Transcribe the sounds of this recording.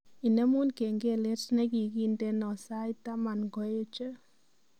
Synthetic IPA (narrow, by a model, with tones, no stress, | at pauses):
i˨nɛ˦mu˦nke˨ŋɡe˦˨le˦tnɛ˦ki˨ki˦nde˦nɔ˨sa˦jta˦ma˨nɡɔ˨˦e˦t͡ʃə˦